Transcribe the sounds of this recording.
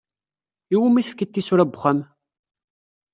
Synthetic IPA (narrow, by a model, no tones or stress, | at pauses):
iwəmːiθəfkət̪ːisuɾæbχæm